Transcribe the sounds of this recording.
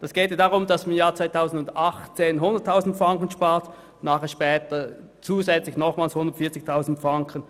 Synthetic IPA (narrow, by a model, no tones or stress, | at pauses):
d̥ɑsɡ̥ɛːtedaʁʊmd̥ɑsamjaːɐt͡svaɪtʰaʊzn̩dʊndaχt͡seːnɦʊndəɐtʰːaʊzn̩tfʁaŋkənʃpaːɐt | naːχeːɐʃpɛːtɐ | t͡suːzɛt͡slɪçnɔχmaːlshʊndɐtfiːɐt͡sɪçtʰaʊzn̩tfʁaŋkʰən